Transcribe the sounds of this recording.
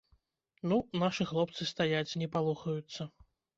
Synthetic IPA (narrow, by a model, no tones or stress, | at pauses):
nunaʂɨxlˠɔp̚t̪sɨst̪ajat͡sʲnʲɛpalˠuxɐjut̪sːɐ